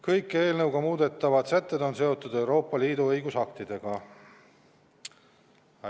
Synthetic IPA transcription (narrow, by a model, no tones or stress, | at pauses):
kɤjkːˑe̞ːlnɤwɡ̥ɑmuːd̪̥e̞t̪ːˑɑvɑd̪sæt̪ˑːed̪o̞nse̞o̞t̪ːˑud̪e̞wɾo̞ːpːˑɑliːd̪uɤjɡusɑk̚t̪id̪̥e̞ɡ̥ɑ